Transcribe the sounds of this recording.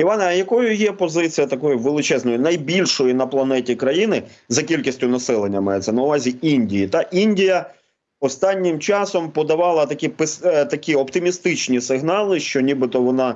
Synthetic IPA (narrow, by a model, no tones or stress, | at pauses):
iʋɑnjɐkɔjʊjɛpɔzɪt͡sʲijɐt̪ɐkɔjʊʋelˠɪt͡ʃɛznɔjinɐjbʲilʲʃɔjinɐplˠɐnɛtʲikɾɐjinɪzɐkʲilʲkʲisʲtʲʊnɐsɛlˠenʲːɐmɑjɛt͡sʲsʲɛnɐʊʋɑzʲiinʲdʲijit̪ɑʔinʲdʲijɐ | ɔst̪ɑnʲːɪmt͡ʃɑsɔmpɔd̪ɐʋɑlˠɐt̪ɐkʲipɪst̪ɐkʲiɔpt̪ɪmʲist̪ɪt͡ʃnʲisɪɦnɑlˠɪʃt͡ʃɔnʲibɪt̪ɔʋɔnɑ